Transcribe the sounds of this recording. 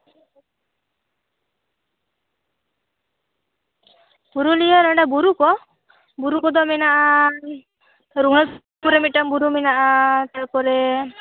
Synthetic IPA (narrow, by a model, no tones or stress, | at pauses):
buɾulijɔɾaɳɖabuɾukɔ | buɾukɔd̪ɔmɛnaʔa | ɾuɦɽ̃ɔ | puɾemiʈɔmbuɾuminaʔat̪apɔɾe